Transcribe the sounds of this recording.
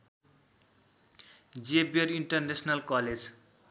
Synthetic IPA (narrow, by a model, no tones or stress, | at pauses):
d͡ziebiʌɾiɳʈʌrnesnalkʌled͡z